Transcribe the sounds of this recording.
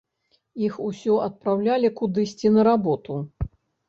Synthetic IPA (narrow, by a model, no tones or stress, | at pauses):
ixusʲɔʔɐt̪̚pɾawlʲalʲikud̪ɨsʲt͡sʲinɐɾabɔt̪u